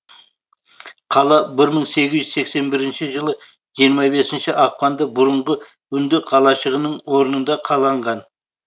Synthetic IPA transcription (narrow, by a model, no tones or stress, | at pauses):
qʰɑlˠɑbɪɾməɴse̞ɡʲɪzʒyzse̞kse̞nbɪɾɪnʃɪʒəlˠə | ʒijəɾmɑbe̞sɪnʃɪʔɑq̚pɑnd̪ɑbʊɾəɴʁə | ʏnd̪ɪqʰɑlˠɑʃəʁənəɴwo̞ɾənənd̪ɑqʰɑlˠɑɴʁɑn